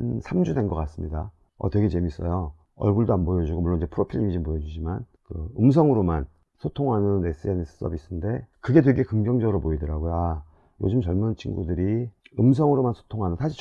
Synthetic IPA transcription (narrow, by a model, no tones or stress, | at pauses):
sʰamd͡ʑudenɡʌk͈as͈ɯmɲida | ʌ̰twe̞ɡe̞t͡ɕe̞mis͈ʌjo | ʌ̰ɭɡuɭdoanbojʌd͡ʑuɡomuɭːonid͡ʑe̞pʰɯɾopʰiʎiɲid͡ʑimbojʌd͡ʑud͡ʑiman | kɯɯms̬ʰʌŋɯɾoman | sʰotʰoŋɦanɯne̞s͈ɯe̞nes͈ʰɯ̥s͈ʰʌ̰bis͈ʰɯnde̞kɯɡe̞dwe̞ɭk͈e̞kɯŋd͡ʑʌŋd͡ʑʌɡɯɾopoidʌɾaɡojoa | jo̰d͡ʑɯmt͡ɕʌɭmunt͡ɕʰinɡudɯɾiɯms̬ʰʌŋɯɾomansʰo̥tʰoŋɦanɯnsʰaɕʰi